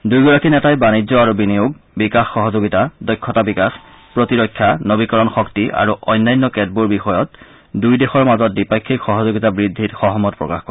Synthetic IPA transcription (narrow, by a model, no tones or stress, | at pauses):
dujɡɔɹakinɛtajbanid͡ʑzɔaɹubinijuɡ | bikaxːɔɦɔzoɡitadɔjkʰːɔtabikax | pɹotiɹɔkʰːjanobikɔɹɔnxɔktiʔa̰ɹuʔɔjnːajnːɔkɛd̚buɹbixɔjɔt | dujdexɔɹmazɔt̚dipakʰːikxɔɦɔzoɡitabɹidʱːitxɔɦɔmɔt̚pɹɔ̰ka̰xkɔ